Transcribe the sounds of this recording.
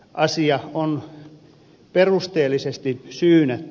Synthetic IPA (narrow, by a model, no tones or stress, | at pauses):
ʔɑsiɑon | perust̪eːlːˑisest̪isyːnæt̪ː